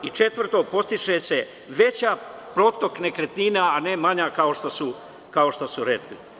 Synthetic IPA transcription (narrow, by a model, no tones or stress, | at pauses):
it͡ʃe̞t̪ʋr̩t̪o̞po̞st̪iʃese̞ | ʋe̞t͡ɕaːpɾot̪o̞kne̞kɾet̪ninaane̞maɲakao̞ʃt̪osu | kao̞ʃt̪osuɾet̪kli